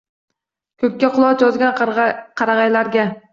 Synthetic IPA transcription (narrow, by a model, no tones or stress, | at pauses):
kʲʰɵp̚ʲːaqʰʊlˠɒt̪jɒzɡʲanqʰɑɾɑʁɑjlaɾɡʲa